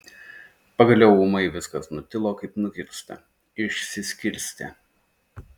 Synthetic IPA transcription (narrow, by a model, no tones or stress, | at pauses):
pɐɡɐlʲɛʊʊmɐɪʋʲɪskɐsnʊt̪ʲɪlˠoːkɐɪpnʊkʲɪɾʲst̪ɐ̰ | ɪʃʲsʲɪsʲkʲɪɾʲsʲt̪ʲɛ̰